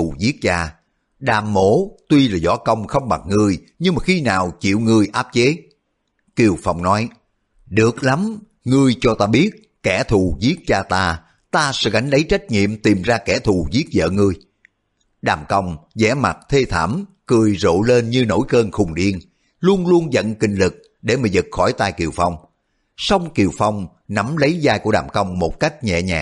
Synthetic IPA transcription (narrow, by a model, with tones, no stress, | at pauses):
u˨˩zi˦˥ək̚t͡ɕaː˧ | ɗaː˨˩mːo̰˧˥t̪wi˧laː˨˩zɔ̰˧˥kə˧wŋ͡mxə˧wŋ͡mɓa˨˩ŋɨ˧əj | ɲɨ˧ŋmaː˨˩xi˧naː˨˩wt͡ɕḭ˧˨əwŋɨ˨˧˩əjʔaː˦˥p̚t͡ɕe˨˦ | ki˧˩əwfa˧˩wŋ͡mnɔ˨˦j | ɗɨ˨˩ək̚la˨˦m | ŋɨ˧əjt͡ɕɔ˧t̪aː˧ɓi˦˥ət̚ | kːɛ˧˩t̪ʰu˨˩zi˦˥ək̚t͡ɕaː˧t̪aː˧ | t̪aː˧sɛ̰˧˥ɣa˨˩jŋ̟ɗə˨˦jt͡ɕa˦˥jk̟̚ŋḭ˧˨əmt̪i˨˩mzaː˧kɛ˧˩t̪ʰu˨˩zi˦˥ək̚zə̰ː˧˨ŋɨ˧əj | ɗaː˨˩mkə˧wŋ͡mzɛ̰˧˥˩ma̰˨˩t̚t̪ʰe˧t̪ʰa̰ː˧˩m | kɨ˧˩əjzo̰˧˨le˧nɲɨ˧no̰˧˥jkəː˧nxʊ˨˩ŋ͡mɗi˧ən | lu˧ənlu˧ənzə̰˧˨nkï˨˩ŋ̟lɨ˨˩k̚ | ɗe˧˩maː˨˩zɨ˨˩t̚xɔ˧˩jt̪aː˧˩jki˨˩əwfa˧wŋ͡m | sa˧wŋ͡mki˨˩əwfa˧wŋ͡m | na˨˦mlə˨˦jzaː˧jku˧˩əɗa̰ː˨˩mkə˧wŋ͡mmo˨˩t̚ka˦˥jk̟̚ɲɛ̰˧˨ɲa̰ː˨˩